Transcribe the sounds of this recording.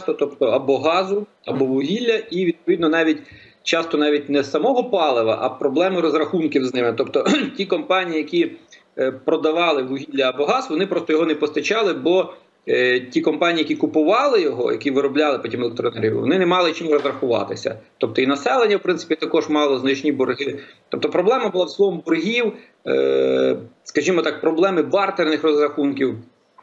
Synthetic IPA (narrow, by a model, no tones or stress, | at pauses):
st̪ɔt̪ɔpt̪ɔɐbɔɦɑzʊ | ɐbɔʋʊɦʲilʲːɐiʋʲid̪̚pɔʋʲid̪nɔnɑʋʲitʲ | t͡ʃɑst̪ɔnɑʋʲitʲnɛsːɐmɔɦɔpɑlˠɪʋɐ̰ʔɐpɾɔblˠɛmɪɾɔzrɐxunkʲiwznɪmɪt̪ɔpt̪ɔtʲikɔmpɑnʲijijɐkʲi | pɾɔd̪ɐʋɑlˠɪʋʊɦʲilʲːɐːbɔɦɑzʋɔnɪpɾɔst̪ɔjɔɦɔnɛpɔst̪ɐt͡ʃɑlˠɪbɔ | tʲikɔmpɑnʲiːjɐkʲikʊpʊʋɑlˠɪjɔɦɔ̰jɐ̰kʲiʋɪɾɔblʲɑlˠɪpɔtʲimɛlˠek̚t̪ɾɔnɛɾʲiwʋɔ̰nɪnɛmɑlˠɪt͡ʃɪmɾɔzɾɐxʊʋɑ̰t̪ɪsʲɐ̰t̪ɔp̚t̪ɔinɐsɛlˠenʲːɐwpɾɪntsɪ̥pʲit̪ɐkɔʒmɑlˠɔznɐt͡ʃnʲibɔrɦɪt̪ɔp̚t̪ɔpɾɔblˠɛmɐbʊlˠɑwslˠɔʋɔmbɔrɦʲiw | skɐʒʲimɔt̪ɑk̚pɾɔblˠɛmɪbɑrt̪ernɪxrɔzɾɐxunkʲiw